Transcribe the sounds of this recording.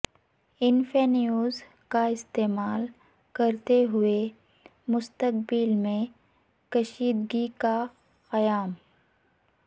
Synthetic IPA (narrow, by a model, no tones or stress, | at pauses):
ɪnfenijuːz | kaɪst̪eːmaːl | kɐɾt̪eɦʊe | mʊst̪ək̚bɪlmẽ | kɐʃiːd̪ɡika | xɐjaːm